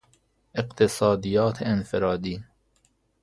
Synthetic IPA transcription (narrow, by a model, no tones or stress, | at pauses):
ʔeqt̪ʰesɑːd̪ijɒːt̪ʰeenfeɾɒːd̪iː